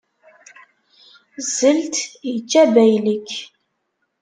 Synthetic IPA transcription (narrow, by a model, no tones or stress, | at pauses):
zəlt̪jət͡ʃːæbæjləkː